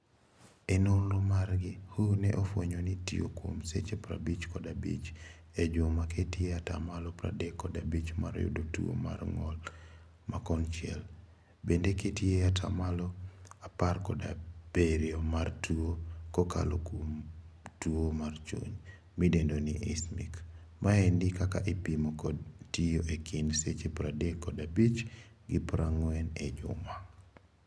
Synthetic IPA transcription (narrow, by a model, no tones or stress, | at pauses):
ɛnolomarɡɪhonɛʔofwoɲonitio̰kwo̰msḛt͡ʃepɾabit͡ʃkɔdabḭt͡ʃed͡ʒomaketieata̰malɔpɾa̰dekːɔdabit͡ʃmaɾɔ̰jo̰dotṵo̰ma̰rŋɔl | makɔnt͡ʃɪɛ̰l | bendeketieatʰa̰malɔaparkɔda̰b̥eɾjomartuokoka̰lokomtuomart͡ʃo̰ɲ | midendoniʔismḭk | maɛndɪkaka̰ʔipimokɔdtijoʔekʰinset͡ʃepɾadekːɔdabit͡ʃɡɪpɾaŋwɛned͡ʒʊ̰ma